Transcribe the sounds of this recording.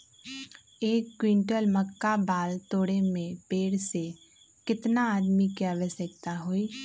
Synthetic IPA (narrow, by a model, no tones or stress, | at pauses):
eːkːwɪ̃ɳʈəlməkːabaːlt̪oːɽemẽpeːɽse | kɪt̪naaːd̪mikiaːʋəʃjək̚t̪aɦoːiː